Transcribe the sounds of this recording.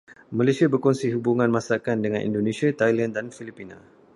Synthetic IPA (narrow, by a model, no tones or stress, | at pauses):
malasiabərkɔnsiɦubuŋãnmãsakandəŋãnʔḭndonẽsiat̪ajlandanfilipinã̰